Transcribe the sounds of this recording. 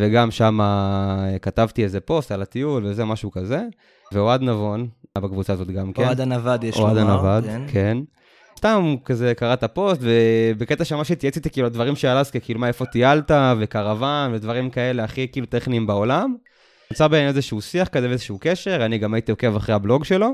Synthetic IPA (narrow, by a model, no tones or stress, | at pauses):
veɡamʃama | kat̪avt̪iezepo̞stalat̪iulvezemaʃukaze̞ | veoad̪navo̞nbakvut͡saːzo̞t̪ɡamkeadanavad̪joad̪anavad̪kʰen | st̪amkaze̞kaʁat̪apo̞st̪vebeket̪aʃeamaʃet̪jat͡sit̪ikiːluad̪vaʁimʃealazkekiːlumaefo̞t̪ialtavekaʁavanvedvaʁimkae̞le̞aχikiːlut̪eχniːmbao̞lam | mt͡sabenezeʃeusiaχkazeveezeʃukeʃe̞ʁaniɡamait̪io̞ke̞vaχʁehablo̞ɡʃe̞lo̞